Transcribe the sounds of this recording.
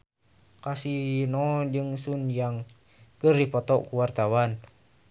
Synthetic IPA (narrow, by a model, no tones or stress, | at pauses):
kasinɔd͡ʒɨŋsunjaŋ | kərdipɔt̪ɔʔkuwart̪awan